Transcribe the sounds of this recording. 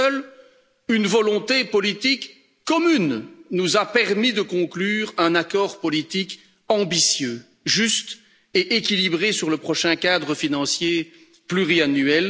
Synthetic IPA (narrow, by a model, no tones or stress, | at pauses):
œl | ynvɔlɔ̃t̪epɔlit̪ikː | ɔmynːuzapɛʁmid̪əkɔ̃klyːʁɛ̃nakɔːʁpɔlit̪ik | ɑ̃bisjø | ʒyst̪ | eʔekʲilibʁesyʁləpχɔʃɛ̃kad̪ʁəfinɑ̃sje | plyʁianyɛl